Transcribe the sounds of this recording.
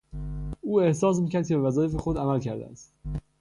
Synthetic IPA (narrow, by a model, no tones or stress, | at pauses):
uːe̞hsɒːs̬miːcæɾd̪̚cʰeevæzɒːjefexod̪æmælcʰæɾd̪ḛæst̪